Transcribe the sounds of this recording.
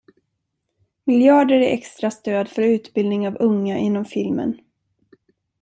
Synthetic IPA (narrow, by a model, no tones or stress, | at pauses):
mɪljɑːɖəɾæʔɛkst̪ɾast̪øːd̪fœɾʉ̟ːt̪bɪld̪nɪŋavɵŋːaʔɪnːɔmfɪlmə̰n